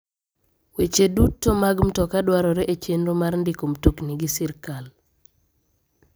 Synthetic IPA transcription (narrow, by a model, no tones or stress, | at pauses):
wet͡ʃedutːomaɡmtɔkadwaɾɔɾɛʔet͡ʃenɾomaɾndikomtukniɡɪsɪɾkal